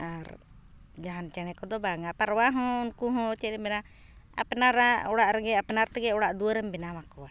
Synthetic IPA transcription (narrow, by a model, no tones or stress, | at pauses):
aɾ | d͡ʒaɦant͡ʃɛñɛkɔd̪ɔbaŋaʔpaɾwaɦɔ̃nkuɦɔ̃t͡ʃɛɾɛmbɛna | a̰pɛnaɾaɔɽaʔɾɛɡɛapnaɾt̪ɛɡɛɔɽaʔd̪uaɾɛmbɛnamakɔwa